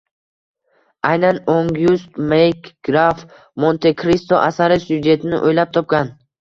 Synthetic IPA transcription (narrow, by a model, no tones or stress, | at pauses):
ajnanoŋɡjust̪mejkɡɾaf | mont̪ʰekʰɾist̪oʔasaɾɪsjud͡ʒe̞t̪ʰɪnɪ̰ʔojlap̚t̪ʰɒp̚kan